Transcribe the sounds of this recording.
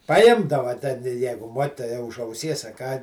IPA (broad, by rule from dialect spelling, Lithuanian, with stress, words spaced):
pɐˈjɪmdɐʋɐ tʲɛ ˈjɛɪɡʊ ˈmuɔkʲɪtoːjɛ ʊʃ ɐʊˈsʲiɛs ɐ kɑː